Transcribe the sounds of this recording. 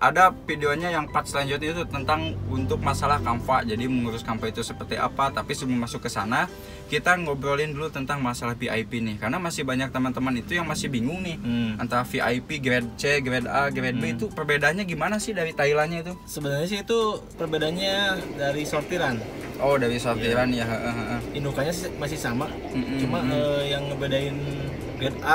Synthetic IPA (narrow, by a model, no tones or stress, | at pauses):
ʔa̰dafideoɲajaŋpat̪̚səlaɲd͡ʒʊt̪it̪ut̪ənt̪aŋunt̪ʊk̚masalahkampad͡ʒadiməŋuɾʊskampait̪usəpərt̪iʔa̰pat̪apisumumasʊkːəsana | kit̪aŋobɾolɪndulut̪ənt̪aŋmasalahbiʔa̰jpinɪhkarnamasɪhbaɲak̚t̪əmənt̪əmanit̪ujaŋmasɪhbiŋʊŋnɪha̰nt̪aɾafiʔajpiɡɾɛd̚t͡ʃeɡɾɛdaɡɾɛd̚bet̪upərbedaːnɲaɡimanasɪhdaɾit̪ailanɲait̪usəbənarɲas̬ɪit̪upərbedanɲadaɾisort̪iɾan | ʔɔdaɾisort̪iɾanjaɦəʔəɦəʔəhindukaɲasɪmasɪhsama | m̩ʔmmt͡ʃumaəjaŋːəbedaɪn | ɡɾɛd̚a